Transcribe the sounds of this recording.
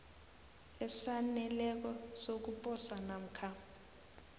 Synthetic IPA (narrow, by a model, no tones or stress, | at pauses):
ɛsanɛlɛk̬ɔsok̬upʼɔsanam̩kʰa